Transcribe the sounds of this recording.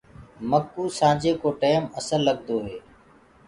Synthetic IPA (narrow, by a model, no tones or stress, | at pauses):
məkːuːsãːd͡ʒeːkoːʈeːməsəlːəɡd̪oːɦeː